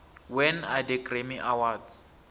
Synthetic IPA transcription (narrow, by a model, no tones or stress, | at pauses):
wɛnadekremiʔawadz